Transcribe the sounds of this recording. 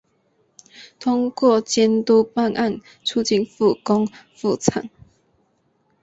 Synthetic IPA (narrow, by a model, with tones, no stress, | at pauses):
t̪ʰʊ˦ŋkwɔ˥˨t͡ɕjɛ˧˦nt̪u˦pa˥˧nʔa˥˨n | t͡sʰu˥˦t͡ɕi˥˨nfu˥˨kɔ˦ŋfu˥˨t͡sʰa̰˨˩˦ŋ